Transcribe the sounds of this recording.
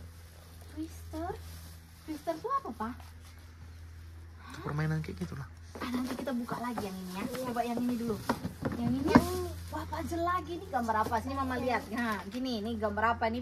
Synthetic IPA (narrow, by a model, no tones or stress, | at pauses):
kɾist̪ər | kɾist̪ərt̪uapapah | kə̥pərmainankɛ̰ʔɡit̪ulah | anant̪ikit̪abukaʔlaɡijaŋiniat͡ʃobaʔjaŋinidulujaŋiniwapad͡ʒəlaɡiniɡambaɾapasinimamaliat̪̚ŋakininiɡambaɾapani